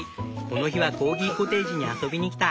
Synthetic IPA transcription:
ko̞no̞çiβako̞ːɡʲiko̞t̪e̞ːʑiɲ̟iaso̞bʲiɲ̟ikʲi̥t̪a

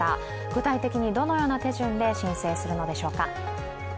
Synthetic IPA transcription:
a̰ | ɡ̥ɯ̟t̪ait̪e̞kʲiɲ̟id̪o̞no̞jo̞ːnat̪e̞ʑɨ̃nd̪e̞ɕĩɰ̃se̞ːsɨɾɯ̟no̞d̪e̞ɕo̞ːka

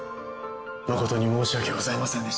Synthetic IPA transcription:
noko̞t̪o̞ɲ̟imo̞ːɕiakeɡozaimasẽnd̪e

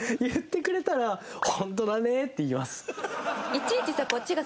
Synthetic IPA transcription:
jɯt̪ːe̞kɯ̟ɾe̞t̪aɾahõ̞nt̪o̞d̪ane̞t̪ːe̞imasɨ̥it͡ɕiit͡ɕisako̞tt͡ɕːiɡa

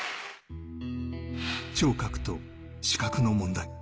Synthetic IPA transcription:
t͡ɕo̞ːkakɯ̟̥t̪o̞ | ɕi̥kakɯ̟no̞mõ̞nd̪ai

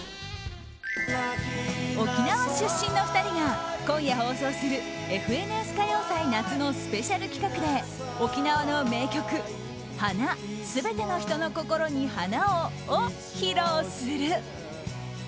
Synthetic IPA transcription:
o̞kʲinaβaɕɨɕːĩnːo̞ɸɯ̥t̪aɾʲiɡakõ̞ɰ̃jaɦo̞ːso̞ːsɨɾɯ̟e̞ɸɯ̟e̞nɯe̞sɨ̥kajo̞ːsainat͡sɨno̞sɨ̥pe̞ɕaɾɯ̟kʲi̥kakɯ̟d̪e̞ | o̞kʲinaβano̞me̞ːkʲo̞kɯ̟ | hanasɨbe̞t̪e̞no̞çi̥t̪o̞no̞ko̞ko̞ɾo̞ɲ̟ihanaoː | çiɾoːsɨɾɯ

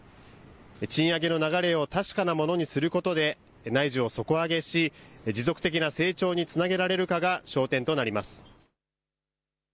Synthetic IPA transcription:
t͡ɕĩɰ̃aɡe̞no̞naɡaɾe̞o̞t̪aɕi̥kanamo̞no̞ɲ̟isɨɾɯ̟ko̞t̪o̞d̪e̞ | naiʑɨo̞so̞ko̞aɡe̞ɕid͡ʑizo̞kɯ̟̥t̪e̞kʲinase̞ːt͡ɕo̞ːɲ̟it͡sɨnaɡʲe̞ɾaɾe̞ɾɯ̟kaɡaɕo̞ːt̪ẽ̞nt̪o̞naɾʲimasɨ̥

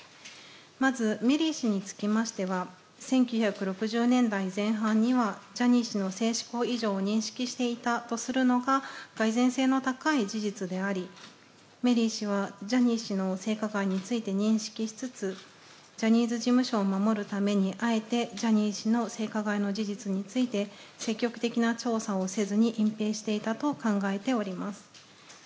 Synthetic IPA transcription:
mazɨme̞ɾʲiɕiɲ̟it͡sɨ̥kʲimaɕi̥t̪e̞βa | sẽ̞ŋkʲɨ̟ːçakɯ̟ɾo̞kɯ̟ʑɨːnẽ̞nd̪aizẽ̞ɰ̃ɦãɲ̟ːiβad͡ʑaɲ̟iɕino̞se̞ːɕi̥ko̞ːiʑo̞ːɲ̟ĩɰ̃ɕi̥kʲiɕi̥t̪e̞it̪at̪o̞sɨɾɯ̟no̞ɡaɡ̥aizẽ̞ɰ̃se̞ːno̞t̪akaid͡ʑiʑit͡sɨd̪e̞aɾʲi | me̞ɾʲiːɕiβ̞ad͡ʑaɲ̟iːɕino̞se̞ːkaɡaiɲ̟it͡sɨit̪e̞ɲ̟ĩɰ̃ɕi̥kʲiɕi̥t͡sɨt͡sɨ | d͡ʑaɲ̟iːzɨʑimɯ̟ɕo̞ːmamo̞ɾɯ̟t̪ame̞ɲ̟iʔae̞t̪e̞d͡ʑaɲ̟iːɕino̞se̞ːkaɡaino̞ʑiʑit͡sɨɲ̟it͡sɨit̪e̞se̞kʲːo̞kɯ̟̥t̪e̞kʲinat͡ɕo̞ːsao̞se̞zɨɲ̟iʔĩmpe̞ːɕi̥t̪e̞it̪at̪o̞kãŋɡae̞t̪e̞o̞ɾʲimasɨ̥

